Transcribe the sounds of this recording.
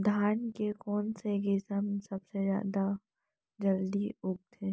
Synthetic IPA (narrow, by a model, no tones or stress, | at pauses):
d̪ʱaːnkekɔːnseɡɪsəmsɐbsezja̰ːd̪a | d͡ʒɐld̪iʊɡ̚t̪ʰẽː